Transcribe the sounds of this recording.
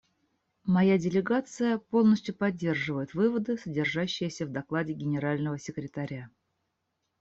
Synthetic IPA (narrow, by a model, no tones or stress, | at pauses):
mɐjadʲɪlʲɪɡat̪sɨjəpo̞lˠnəsʲtʲjʊpɐdʲːe̞rʐɨvəjɪt̪vɨvəd̪ɨsədʲɪrʐaɕːɪjəsʲəvd̪ɐklˠadʲɪɡʲɪnʲɪɾalʲnəvəsʲɪkɾʲɪt̪ɐɾʲa